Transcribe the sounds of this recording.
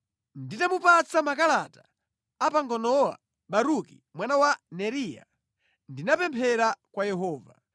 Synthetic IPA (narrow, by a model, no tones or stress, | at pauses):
nditamupat͡sʰamakalataː | paŋɡɔnɔwa̰ | ɓaɾuki | mwanawanɛɾiːja̰ | ndinapɛmpʰɛɾakwajɛɦɔːva